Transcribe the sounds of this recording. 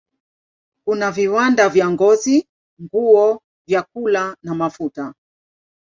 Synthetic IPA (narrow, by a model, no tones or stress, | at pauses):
kunaviwandavjaŋɡɔzi | ŋɡuɔ | vjak̚ulanamafuta